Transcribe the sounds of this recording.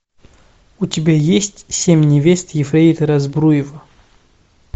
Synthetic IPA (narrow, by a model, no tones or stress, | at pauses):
utʲɪbʲajesʲtʲsʲemʲnʲɪvʲest̪jɪfɾʲeit̪ɨɾɐzbɾujɪvə